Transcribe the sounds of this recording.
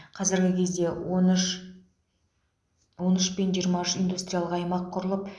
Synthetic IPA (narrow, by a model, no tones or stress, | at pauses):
qʰɑzɪɾɡʲɪkʲʰe̞zd̪e̞ | wo̞nʏʃpenʒiəɾmɑʏʃijnd̪ust̪ɾʲijalˠəqɑjmɑqʰːʊɾəlˠəp